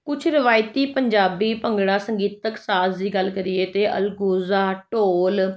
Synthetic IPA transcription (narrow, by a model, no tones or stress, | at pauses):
kʊt͡ʃʰɾɪʋaːɪt̪iːpəɲd͡ʒaːbiːpəŋɡɽaːsəŋɡiːt̪əksaːsd̪iːɡəlkəɾieːt̪eːʔə̰lɡoːzaːʈoːl